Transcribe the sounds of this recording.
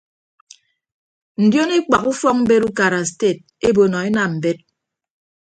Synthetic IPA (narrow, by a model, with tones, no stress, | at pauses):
n̩˨djo˦ni˦k͡pa˨ku˦fɔ˦k̚m̩˦be˦ɾu˦ka˨ɾa˨ste˦˨t̚ | e˦bo˨nɔ˨e˦na˨m̩˨be˦t̚